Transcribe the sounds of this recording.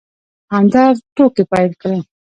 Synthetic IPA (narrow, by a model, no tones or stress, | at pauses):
hand̪aɾʈokepajlkɽe